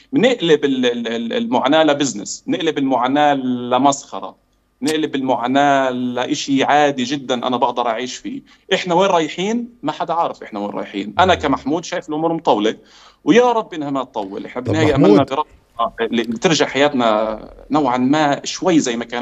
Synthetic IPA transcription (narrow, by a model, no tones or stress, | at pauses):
mnɪʔlɪbɪllmʊʕaːnaːlabɪznɪ̰snɪʔlɪbɪlmʊʕaːnaːlamɑsˤxɑ̰ɾˤɑ̰ | nɪʔlɪbɪlmʊʕaːnaːlaʔɪʃiʕaːd̪iʒɪd̪ːanʔa̰nabɑʔd̪ɑɾˤʔaʕiːʃfḭː | ʔɪħnaweːnɾˤɑːjħiːnmaħad̪aʕaːɾˤɪfʔɪħnawḛːnɾˤɑ̰ːjħḭːnʔanakamaħmuːd̪ʃaːjɪfɪlʔʊmuːɾmʊt̪ˤɑwlɪ | wjaɾˤɑbːʔɪnhamat̪ˤːɑwːɪ̰lʔɪ̰ħnabɪnnːaːjjaʔamalnabiɾˤɑ | t̪ɪɾʒaʕħajaːt̪nanawʕanmaʃwajːzajːmakaːn